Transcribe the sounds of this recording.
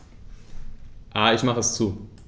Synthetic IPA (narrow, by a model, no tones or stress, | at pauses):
ʔaːɪçmaχəɛst͡suː